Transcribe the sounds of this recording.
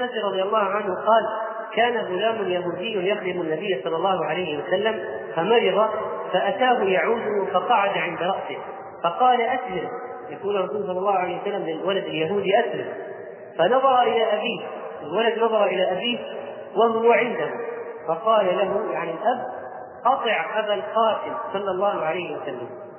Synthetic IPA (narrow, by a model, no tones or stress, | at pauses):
ʔasiɾˤɑd̪ˤɨjɑlːɑːhʊʕanhʊqɑːl | kaːnaɣʊlaːmʊnjaɦuːd̪ɪjːʊnjaxd̪ɪmanːabɪjːasˤɑlːɑlˤːɑːhʊʕalajhɪwasalːam | famɑɾɪðˤɑfaʔat̪aːɦʊjaʕuːd̪ʊhʊfɑqɑʕad̪aʕɪnd̪aɾˤɑʔsɪh | fɑqɑːlaʔaslɪm | jakuːnɨrˤːɑsuːlsˤɑlːɑlːɑːhʊʕaejhwasalːamlɪlwalad̪ɪljaɦuːd̪iʔaslam | fanɑðˤɑɾˤɑʔɪlaʔabiːh | ɪlwalad̪nɑðˤɑɾˤɑʔɪlaʔabiːh | waɦʊwaʕɪnd̪ahʊfɑqɑːlalaɦʊjaʕnɪlʔab | ʔɑt̪ˤɨʕʔabalqɑːt̪ɪmsˤɑlːɑlˤːɑːhʊʕalajːhɪwasalːam